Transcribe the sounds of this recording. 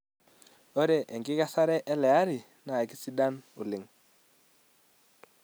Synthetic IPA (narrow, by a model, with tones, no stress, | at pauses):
ɔ˦ɾɛ˨ʔɛ˨ŋɡɪ˦ka˦sa˦ɾɛ˦ʔɛ˦lɛ˨a˦ɾi˨ | na˨ki˦si˦da˦nʊ˨lɪ˨ŋ